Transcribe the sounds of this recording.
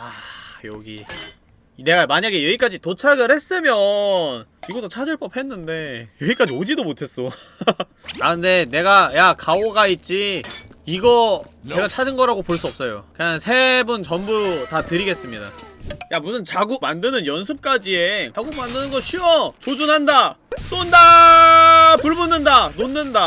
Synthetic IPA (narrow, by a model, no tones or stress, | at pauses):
ajʌɡi | ne̞ɡamaɲaɡe̞jʌik͈ad͡ʑitot͡ɕʰaɡɯɭhe̞s͈ɯmjʌniɡʌt͈ot͡ɕʰad͡ʑɯɭp͈ʌp̚he̞nːɯnde̞jʌik͈ad͡ʑiod͡ʑidomotʰe̞s͈ʌ | aɯnde̞ne̞ɡajakaoɡait̚t͡ɕ͈iː | ɡʌt͡ɕe̞ɡat͡ɕʰad͡ʑinɡʌɾaɡopoɭs͈uʌp̚s͈ʌjo̰keɲansʰe̞bunt͡ɕʌmbutatɯɾiɡe̞s͈ɯmɲida̰jamusʰɯnt͡ɕaɡumandɯnɯnjʌns̬ʰɯp̚k͈ad͡ʑie̞aɡumandɯnɯnɡʌɕʰiʌt͡ɕod͡ʑunɦanda | s͈onda | puɭbunːɯndanonːɯnda